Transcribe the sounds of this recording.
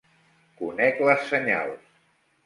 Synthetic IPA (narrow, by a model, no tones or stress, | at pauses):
kunɛkləsːəɲa̰lˠs